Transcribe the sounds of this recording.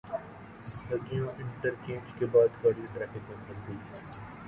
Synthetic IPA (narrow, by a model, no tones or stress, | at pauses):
sɐɡijõʔɪ̃ɳʈəɾt͡ʃẽːnd͡ʒkebaːd̪kaːɖĩʈɾɛːfɪkẽmɐzbuːt̪ɦɛː